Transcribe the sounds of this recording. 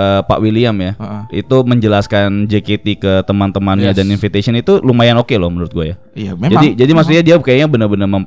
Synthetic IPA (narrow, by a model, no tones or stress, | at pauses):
əːpa̰ʔwiliamjaḭt̪uməɲd͡ʒəlaskand͡ʒəket̪ikət̪əmant̪əmanɲadaninfit̪asiənit̪ulumajanokelɔhmənuɾʊt̪̚ɡuaja | d͡ʒadid͡ʒadimaks̬ut̪̚ɲadiakajaɲabənərbənərməm